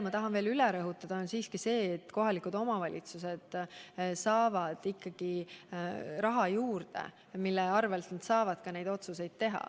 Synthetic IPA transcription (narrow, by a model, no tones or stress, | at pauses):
mɑt̪ɑɦɑnve̞ːlyleɾɤɦut̪ːˑɑd̪ɑonsiːskise̞ːt̪ːko̞ɦɑlikud̪̥o̞mɑvɑlʲḭt̪suse̞d̪̥sɑːvɑd̪̥ikˑːɑɡ̥i | rɑɦɑjuːrd̪ḛ | milːeɑrvelt̪nɑd̪sɑːvɑd̪̥kɑne̞jd̪o̞t̪suse̞jd̪̥̚t̪e̞ɦɑ̰